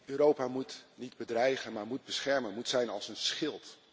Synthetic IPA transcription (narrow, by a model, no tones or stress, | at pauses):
øːɾowpaːmutnidbədrɛjχənmaːɹmud̚bəsχɛɹmənmutsɛjnɑlˠsənsχɪlˠt